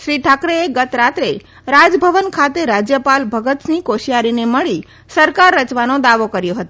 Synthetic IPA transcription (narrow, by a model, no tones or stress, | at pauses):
ʃɾiʈʰakɾeeɡət̪ɾat̪ɾe | ɾad͡ʒbʱəʋənkʰat̪eɾad͡ʒjəpalbʱəɡət̪snikoʃijaɾineməɭi | səɾkaɾːət͡ʃʋanod̪aʋokəɾjoɦət̪o